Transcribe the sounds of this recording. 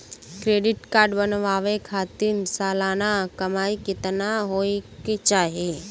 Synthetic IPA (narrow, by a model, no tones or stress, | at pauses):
kɾeːɖɪʈkaːɾɖbənʋaːʋekʰaːt̪ɪnsaːlaːnakɐmaːikɪt̪naɦoːeket͡ʃaːɦie